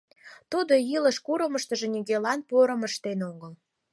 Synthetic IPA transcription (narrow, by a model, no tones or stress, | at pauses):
t̪ud̪ojiləʃkuɾə̆məʃt̪ə̆ʒĕniɣelɑnpoɾəməʃt̪enoɣəl